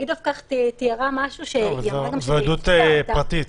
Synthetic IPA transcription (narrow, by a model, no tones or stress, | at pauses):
ɡid̪afkaχt̪et̪ijaʁamaʃuʃejʁaɡamvod̪ut̪pʁat̪it̪